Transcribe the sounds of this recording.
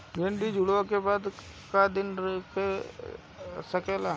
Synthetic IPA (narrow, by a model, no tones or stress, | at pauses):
ɡẽːɳɖid͡ʒʊɽʋãkebaːd̪ | kad̪ɪnke | sɐkela